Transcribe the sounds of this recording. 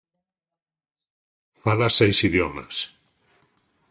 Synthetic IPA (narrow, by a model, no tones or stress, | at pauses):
falasejsiðjɔma̰s